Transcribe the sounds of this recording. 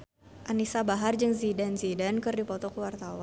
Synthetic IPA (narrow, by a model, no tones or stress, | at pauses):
ʔanisabaɦard͡ʒɨŋzidanzidankɨrdipɔt̪ɔkəwart̪awan